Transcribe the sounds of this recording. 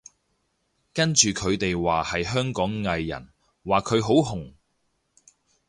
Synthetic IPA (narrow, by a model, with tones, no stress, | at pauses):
kɐ˥nt͡ʃyː˨kʰɵ˨˧ɥt̪e˨jwaː˨hɐ˨jɦœː˥ŋkɔː˨˥ŋːɐ˨˧jːɐ̰˨˩n | waː˨kʰɵ˨˧ɥɦo˨˥wɦʊ˨˩ŋ